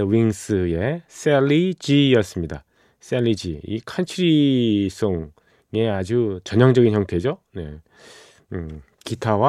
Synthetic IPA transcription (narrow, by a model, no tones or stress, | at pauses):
wiŋs͈ɯe̞s͈eɭːid͡ʑijʌs͈ɯmɲida | s͈eʎːid͡ʑiḭkʰant͡ɕʰuɾis͈ʰoŋ | e̞ad͡ʑut͡ɕʌɲʌŋd͡ʑʌɡinçjʌŋtʰe̞d͡ʑo | ne̞̰ | kitʰawa